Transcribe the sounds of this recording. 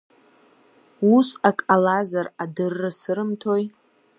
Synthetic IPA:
usakʼalazaradɨrːɨsɨɾɨmtʰo̞j

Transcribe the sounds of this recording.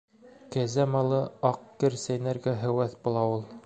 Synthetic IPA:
kæzæmɑlˠɤɑqkɘɾsæjnæɾɡæɦɘ̆wæθbulˠɑulˠ

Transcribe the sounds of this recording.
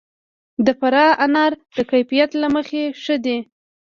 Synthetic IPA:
d̪əfaɾɑʔanɑɾd̪̥əkajfijat̪laməxeʂəd̪e

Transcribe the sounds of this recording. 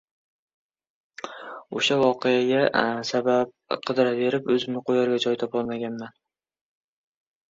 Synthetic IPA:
oʃavɒqejaɡʲasabab̚qʰɨd̪ɪɾave̞ɾɪpɵzɪmnɪqʰojaɾɡʲad͡ʒɒjt̪ʰɒpɒlˠmaɡʲanman

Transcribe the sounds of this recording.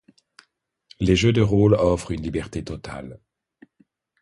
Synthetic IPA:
leʒød̪əʁolɔfχynlibɛʁt̪et̪ɔt̪ʰa̰l

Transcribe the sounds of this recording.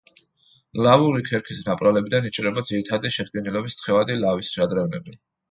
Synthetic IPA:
lavuɾikʰɛɾkʰisnapʼɾalɛbid̪anit͡ʃʼɾɛbad̪ziɾit̪ʰad̪iʃɛd̪̚ɡɛnilɛbist̪χɛvad̪ilavisʃad̪ɾɛvnɛbi

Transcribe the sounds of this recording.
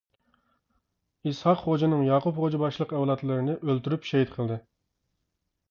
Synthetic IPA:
ishɑqχod͡ʒɪnɨŋjɑːqʊpχod͡ʒibɑʃlˠəqɛwlˠɑt̪lˠɨɾɨnɨʔølt̪yɾypʃɛɦit̪qʰəlˠd̪ɨ

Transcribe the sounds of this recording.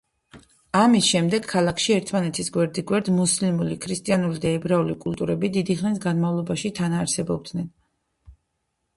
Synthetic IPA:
amisʃɛmd̪ɛɡkʰːalˠakʰʃiɛɾt̪ʰmanɛt̪ʰisɡwɛɾd̪iɡwɛɾd̪muslimulikʰɾist̪ʼijanulid̪aɛbɾaulikʼulˠt̪ʼuɾɛbid̪id̪iχnisɡanmavlˠɔbaʃit̪ʰanaːɾsɛbɔb̚d̪̥nɛn

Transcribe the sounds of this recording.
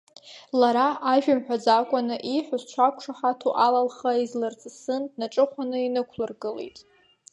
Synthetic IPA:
laɾaʔaʒᶣamħᶣad͡zakʷʼanɨʔiħʷʊzt͡ʃʷʰakʷʰʂaħatʰuʔalalχaizlɨrt͡sʰʼɨsɨndnaʈ͡ʂʼɨχʷanɨinɨkʷʰlɨrɡɨlḛjtʼ

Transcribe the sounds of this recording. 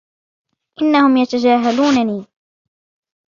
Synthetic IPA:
ʔɪnːahʊmjat̪ad͡ʒaːɦaluːnaniː

